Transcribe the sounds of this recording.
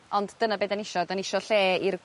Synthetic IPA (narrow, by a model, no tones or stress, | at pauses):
ɔndd̥ənabeːdanɪʃɔdanɪʃɔɬeːir